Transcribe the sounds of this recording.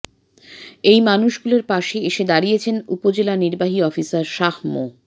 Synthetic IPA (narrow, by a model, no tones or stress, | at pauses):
ejmanuʃɡuleɾpaʃeeʃed̪aɾijet͡ɕʰenupod͡ʑelaniɾbaɦiɔfisaɾʃahmo̰